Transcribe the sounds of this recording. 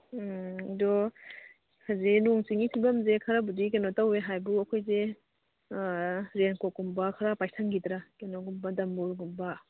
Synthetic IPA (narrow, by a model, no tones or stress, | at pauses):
idɔ | kʰazenuŋsiŋipʰibamzekʰaɾabudik̬enɔtaweɦajbuɐkʰɔjze | ɾenkɔkumbakʰaɾapajsʰaŋɡidɾakenɔɡumbadambuɾɡumba